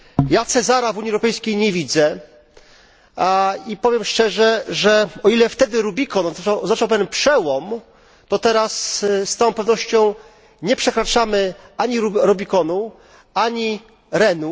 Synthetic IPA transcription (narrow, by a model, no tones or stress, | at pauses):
jat̪sɛzaɾavuɲiɛwɾɔpɛjskʲejɲevʲid̪zɛ | ipɔvʲjɛmʂt͡ʂɛʐɛʐɛɔilɛft̪ɛd̪ɘɾubʲikɔnɔawɔznat͡ʂawpɛvʲjɛnpʂɛwɔm | t̪ɔt̪ɛɾasst̪ɔ̃w̃pɛvnɔɕt͡ɕɔ̃w̃ | ɲɛpʂɛkɾat͡ʂamɘaɲiuɾɔbʲikɔnu | aɲi | ɾɛnu